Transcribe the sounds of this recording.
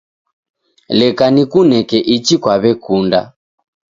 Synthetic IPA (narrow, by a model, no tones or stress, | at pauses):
lɛkanikunɛkɛʔit͡ʃikwaβɛkunda̰